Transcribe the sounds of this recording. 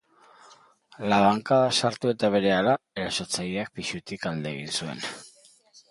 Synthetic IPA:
laβ̞aŋkaðasaɾt̪ue̞t̪aβ̞e̞ɾe̞alaeɾaso̞t͡sajeak̚piʃut̪ikald̪e̞ɣ̞insue̞̰n

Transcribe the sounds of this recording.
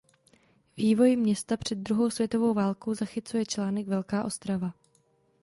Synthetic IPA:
viːvo̞jmɲɛst̪apr̝̥ɛd̪̚dɾuɦo̞wsvʲjɛt̪o̞vo̞wvaːlkowzaxɪt͡sujɛt͡ʃlaːnɛɡvɛlkaːʔo̞st̪ɾava

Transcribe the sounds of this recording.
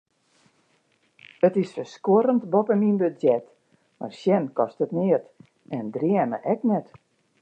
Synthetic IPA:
ətɪsfəskoɾəntbopəminbødɛt | ma̰rsjɛnkɔstətnɪət | ɛndriəmə̰ʔɛknɛt

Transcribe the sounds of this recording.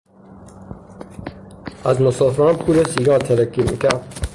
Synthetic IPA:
æzmosɒːfeɾɒːnpʰuːlesiːɡɒːt̪ʰeɾækimḭːkʰæɾd̪

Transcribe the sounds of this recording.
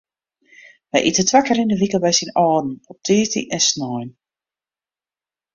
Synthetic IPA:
ʋɛjʔḭtətʋakəɾindəʋikəbɛjsinɔːdn̩ɔp̚tʰiːtḭʔɛnsnɔjn

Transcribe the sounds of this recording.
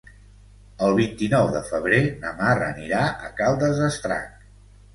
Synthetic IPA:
əlˠβint̪inɔwðəfəβ̞ɾenəmarə̰niɾaʔə̰kalˠd̪əzəst̪ɾa̰k

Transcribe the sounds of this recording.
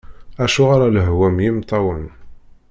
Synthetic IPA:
æʃʊʁaɾaləɦwæmjimt̪ˤːɑwən

